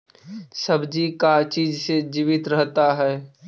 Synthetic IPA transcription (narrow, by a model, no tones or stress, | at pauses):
sɐbd͡ʒikat͡ʃiːd͡ʒsed͡ʒiːʋɪt̪ɾəɦt̪aɦɛː